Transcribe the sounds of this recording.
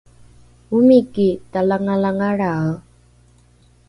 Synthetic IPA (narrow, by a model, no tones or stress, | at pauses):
umikitalaŋalaŋaɾa